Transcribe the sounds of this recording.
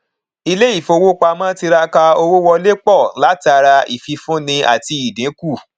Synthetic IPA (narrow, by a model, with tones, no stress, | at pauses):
i˧le˦i˦˨fo˧wo˦k͡pa˧mãː˦ti˧ɾa˧ka˧o˧wo˦wɔ˧le˦k͡pɔ˦˨la˦ti˧a˧ɾa˧i˨fi˧fũ˦nĩ˧ʔa̰˦˨ti˧i˨dĩ˨˦ku˦˨